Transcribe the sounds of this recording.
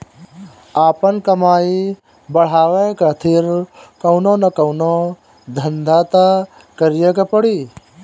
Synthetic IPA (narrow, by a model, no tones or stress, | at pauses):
aːpənkəmaːi | bəɽ̤aːʋekat̪ʰɪɾkəʊnonɐkəʊno | d̪ʱənd̪ʱaːt̪a | kəɾijekepəɽiː